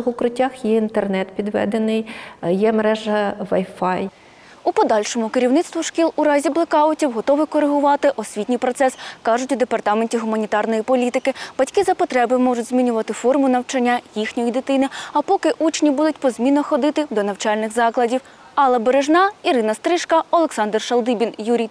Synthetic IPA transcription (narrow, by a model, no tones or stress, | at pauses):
xʊkɾɪtʲːaxjɛint̪ernɛt̪pʲid̪ʋɛ̰d̪enɪjjɛmeɾɛʒɐʋɐjfɑj | upɔd̪ɑlʲʃɔmʊkɪɾʲiwnɪt̪st̪ʋʊʃkʲilˠʊɾɑzʲiblˠekɑʊtʲiwɦɔt̪ɔʋɪkɔɾeɦʊʋɑt̪ɪʔɔsʲʋʲitʲnʲijpɾɔt̪sɛskɑʒʊtʲʊd̪epɐrt̪ɑmenʲtʲiɦʊmɐnʲit̪ɑrnɔjipɔlʲit̪ɪkɪb̥ɐtʲkɪzɐpɔt̪ɾɛbɪmɔʐʊtʲzmʲinʲʊʋɐt̪ɪfɔrmʊnɐwt͡ʃɐnʲːajixnʲɔjid̪ɪt̪ɪnɪɐpɔkɪʔut͡ʃnʲibud̪ʊtʲpɔzʲmʲinːɔxɔd̪ɪt̪ɪd̪ɔnɐwt͡ʃɑlʲnɪxzɑklˠɐdʲiw | ɑlˠɐbeɾeʒnɑiɾɪnɐst̪ɾɪʃkɐɔlˠeksɑnd̪rʃɐlˠd̪ibʲinjuɾʲij